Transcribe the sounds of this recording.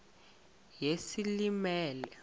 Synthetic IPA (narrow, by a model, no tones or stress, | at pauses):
jesilimɛːlɛ